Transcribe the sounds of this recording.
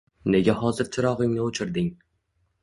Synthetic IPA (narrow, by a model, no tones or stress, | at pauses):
neɡʲæhɒːzɪɾt͡ʃʰɪɾɒʁɨŋnɪot͡ʃʰɪɾd̪ɪŋ